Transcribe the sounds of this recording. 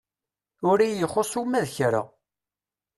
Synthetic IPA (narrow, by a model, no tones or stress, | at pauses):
ʊɾijəχosˤumæðçɾa̰